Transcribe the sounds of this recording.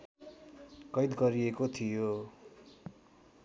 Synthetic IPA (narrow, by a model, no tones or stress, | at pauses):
kʌjd̪ɡʌɾiekot̪ʰijo